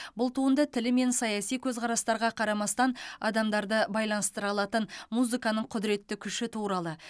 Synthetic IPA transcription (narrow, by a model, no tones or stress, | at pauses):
bʊlˠt̪ʰuənd̪ɑt̪ʰɪlɪme̞nsɑjɑsijkʲʰɵzqʰɑɾɑst̪ɑɾʁɑqʰɑɾɑmɑst̪ɑnɑ̰d̪ɑmd̪ɑɾd̪əbɑjlˠɑnəst̪əɾɑlˠɑt̪ənmuzikɑnəɴqʰʊd̪ɪɾe̞t̪ːɪkʲʰʏʃɪt̪ʰuɾɑlˠə